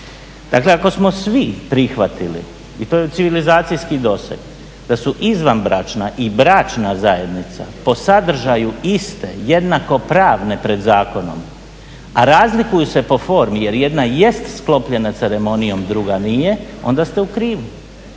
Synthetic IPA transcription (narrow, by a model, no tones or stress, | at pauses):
d̪̥akle̞ako̞smo̞sʋipɾixʋat̪ilḭ | it̪o̞jet̪siʋilizaːt̪sijskid̪o̞sḛɡ | d̪̥asuʔizʋanbɾat͡ʃnaʔibɾat͡ʃnazaje̞d̪nit̪sa̰po̞sad̪r̩ʒajuist̪e̞̰jed̪nako̞pɾaːʋne̞pɾe̞d̪zaːko̞no̞̰m | aɾaːzlikujusepo̞fo̞ːɾmije̞ɾje̞d̪naje̞st̪sklˠo̞pʎe̞nat̪seɾe̞mo̞nijo̞md̪ɾuɡanije̞o̞̰nd̪ast̪e̞ukɾiːʋu